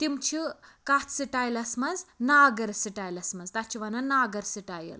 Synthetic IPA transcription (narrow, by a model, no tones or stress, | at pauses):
t̪imt͡ʃʰikat̪siʈajlɐsmɐnznaːɡɐɾsiʈajlɐsmɐnzt̪at͡ʃʰiʋananaɡəɾsiʈajḭl